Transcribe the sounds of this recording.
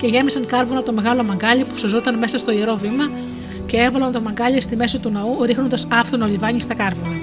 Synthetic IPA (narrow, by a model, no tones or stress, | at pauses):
ce̞ʝe̞misɐŋkɐɾvonɐt̪o̞me̞ɣɐlo̞mɐŋɡɐʎipu̥sozot̪ɐnme̞sɐst̪o̞ieɾo̞vimɐ | ceevɐlɐnt̪o̞mɐŋɡɐlist̪ime̞sot̪unɐuɾixno̞nd̪ɐsɐft̪onɐolivɐɲist̪ɐkɐɾvonɐ